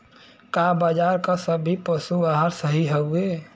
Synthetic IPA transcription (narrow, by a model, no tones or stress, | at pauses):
kabad͡ʒaɾkasəbʱːipəsuʋaɦəɾsəɦiɦəue